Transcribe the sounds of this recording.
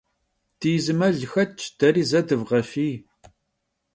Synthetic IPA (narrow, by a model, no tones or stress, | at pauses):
d̥iːzɨmɐɮxɐt̚t͡ʃʰd̥ɐɾiːzɐdɨvʁɐfiː